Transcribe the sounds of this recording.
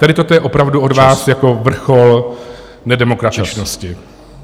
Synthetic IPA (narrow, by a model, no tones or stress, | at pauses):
t̪adɪt̪ot̪ojɛʔopɾavduʔo̞dvaːsjako̞vr̩xol | nɛdɛmo̞kɾat̪ɪt͡ʃnoscɪ